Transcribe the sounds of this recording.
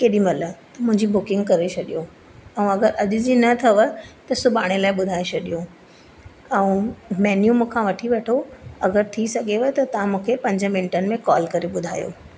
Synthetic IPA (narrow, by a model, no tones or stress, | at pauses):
keːɗĩmɐlət̪ɐmʊ̃ɦɪ̃ɲd͡ʑibʊkɪ̃ŋɡkɐɾet͡ɕʰɐɗijo | ɛ̃ũɐɡəɾɐʄʊd͡ʑiːnɐt̪ʰɐʋət̪ɐsʊbaːɽ̃elaːɪɓʊd̪ʱaːet͡ɕʰɐɗijõ | ɛ̃ũmɛːnjumũkʰãʋɐʈʰiʋeːʈʰoɐɡəɾt̪ʰisɐɡʱeʋət̪ɐt̪ɐʋãmũːkʰepɐ̃ɲd͡ʑə̃mɪ̃ɳʈənɪ̆mẽkɔːlkɐɾeɓʊd̪ʱa̰ːjo̰ː